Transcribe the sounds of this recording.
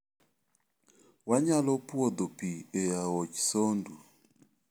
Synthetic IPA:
waɲalɔpwɔd̪opiejaɔt͡ʃsondu

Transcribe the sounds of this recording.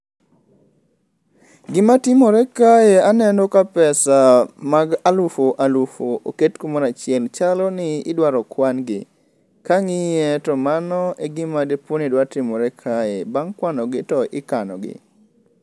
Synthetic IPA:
ɡɪmatɪmɔɾɛkajeanɛndɔkapɛsamaɡalufoʔalufoʔo̰ketkomoɾat͡ʃɪɛlt͡ʃalɔnɪɪdwaɾɔkwanɡɪ | kaŋɪjɛtɔmanɔeɡɪmadeponidwatɪmɔɾɛkʰaebaŋkwanɔɡɪtɔʔɪkanɔ̰ɡɪ̰

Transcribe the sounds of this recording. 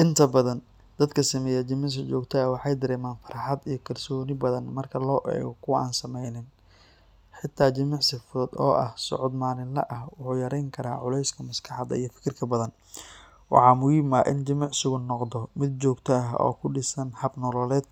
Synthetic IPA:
ʔɪnt̪ʰɐbɐðɐn | d̪ɐd̪kʰɐsɐmɛːjɐt͡ʃɪmɪʕs̬ɪt͡ʃɔːɡt̪ʰɐɐwɑħɑjd̪ɐɾɛːmaːnfɐ̥ɾħɑd̪ijɞkʰɐrsɔːnɪbɐðɐnmɐrkʰɐlɔːʔɛ̰ːɣɔkʰʊwɐʔa̰ːnsɐmɛjnɪn | ħɪt̪ʰːaːt͡ʃɪmɪʕsɪfʊɐd̪ɔ̰ːʔɐhsɔ̰ʕʊd̪maːnɪnlɐ̰ʔɐhwʊħuːjɐɾɛjŋkʰɐɾa̰ːʕʊlɛjskʰɐmɐskʰɑħɑd̪ɐ̰ijɞfɪ̥kʰɪrkʰɐbɐðɐn | wɑ̰ħɑːmʊjiːmaːʔɪnd͡ʒɪmɑʕsʊɣʊnːɔqd̪ɔmɪd̪̚t͡ʃɔːɡt̪ʰɔɐɦʔɔ̰ːkʰʊɖɪsɐnhɐbnɔlɔlɛːd̪̚

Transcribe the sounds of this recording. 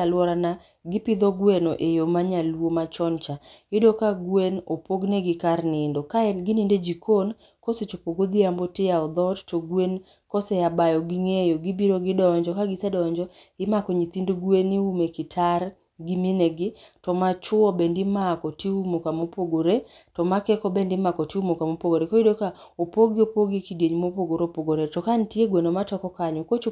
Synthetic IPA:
alwɔɾana | ɡɪpɪd̪ɔɡwenoʔejomaɲalwomat͡ʃɔnt͡ʃaɪdokaɡwenopoɡneɡɪkarnɪndokaɛɡɪninded͡ʒikʰon | koset͡ʃopoɡod̪iambotɪjaɔd̪ɔttoɡwen | kɔsɛabajɔɡiŋejoɡibiɾoɡɪdɔɔɲd͡ʒɔkaɡɪsɛdɔɔɲd͡ʒɔɪmakɔɲit̪indoɡweniumekɪtʰaɾ | ɡimineɡɪtɔmat͡ʃʊɔbendɪmakɔtiumokamopoɡoɾetɔmakɛkɔbendɪmakɔtɪumokamopoɡoɾekoidoka | opoɡɪopoɡekidjeɲmopoɡoɾopoɡoɾetɔkantjeɡwenomatɔkɔkaɲɔkot͡ʃ

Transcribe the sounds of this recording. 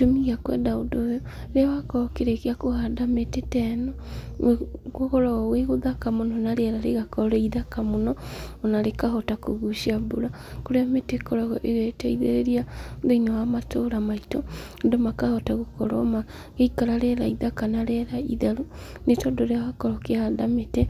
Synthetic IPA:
tomiɣakwɛ̰ndaodojɔ | ɾeawakɔkeɾekeakohadametetɛnɔ | ɣokɔɾaɣɔweɣoðakamonɔnaɾeɾaɾeɣakɔɾɔiðakamonɔonaɾekaɦɔtakoɣuʃiabuɾa | koɾeametekɔɾaɣɔʔeɣɛtɛiðeɾeɾiaðeinɔwamatoɾamaitɔ | ndomakahɔtaɣokɔ̰ɾɔma | ɣeikaɾaɾɛɾaiðakanaɾɛɾaiðaɾu | netɔndoɾeawakɔɾɔkehadamete

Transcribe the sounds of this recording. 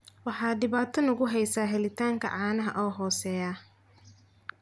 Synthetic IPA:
wɑħɑːdɪβaːt̪ʰɔnɐɣʊɦɛjsaːɦɛlɪt̪ʰaːŋkʰɐ̰ʕɑːnɐɦɐ̰ʔɔːɦɔːsɛːjaː

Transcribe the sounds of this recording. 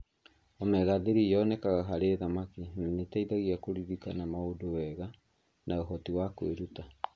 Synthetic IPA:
omɛɣaðeɾijɔnɛkaɣaɦaɾeðamakimmetaiðaɣiakoɾiɾikanamaodowɛɣa | naoɦɔtiwakweɾuta

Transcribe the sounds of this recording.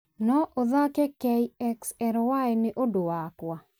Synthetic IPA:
nɔʔoðakekɛiɛksɛɾwaenɪʔodowakwa

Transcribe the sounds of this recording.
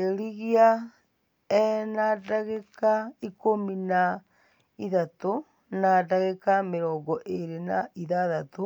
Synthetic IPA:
eɾiɣia | ɛnadaɣekaikomina | iðato | nadaɣekameɾɔːɡɔʔeɾenaiðaðato

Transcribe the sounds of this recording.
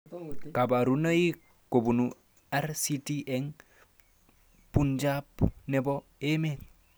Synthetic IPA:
kabaɾunai | kobunu | aɾsitiʔɛŋ | pund͡ʒapnɛbɔemet̚

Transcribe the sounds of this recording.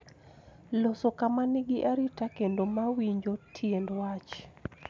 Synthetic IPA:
losokamanɪɡɪʔaɾitakendomawiɲd͡ʒotʰjendwat͡ʃ

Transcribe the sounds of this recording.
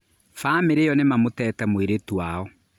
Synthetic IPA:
faːmeɾeɔnemamotɛːtɛmweɾetwwaɔ

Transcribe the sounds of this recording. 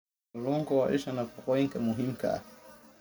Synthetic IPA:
lɔŋɡɔwa̰ʔɛ̰ʃanapɔkɔiŋkamuɦim̩ka̰

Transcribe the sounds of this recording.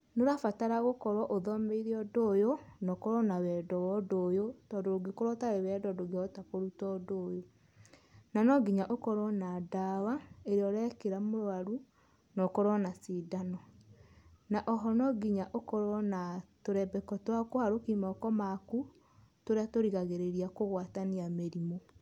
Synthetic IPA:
noɾafataɾaɣokɔɾwɔʔoðɔmeiɾiɔdojonɔkɔɾɔnawɛdɔwɔdojotɔdoɾoɡekoɾwɔtaɾewɛdɔdoɡeɔtakoɾutɔdoːjo | nanɔɡiɲaʔokɔɾɔnadawaeɾeɔɾɛkeɾamoɾwaɾu | nɔkɔɾɔnasidanɔ | naʔɔɦɔnɔɡiɲaʔokɔɾɔnatoɾɛbɛkɔtwakohaɾokimɔkɔmaku | toɾeatoɾiɣaɣeɾeɾiakoɣwataniameɾimo

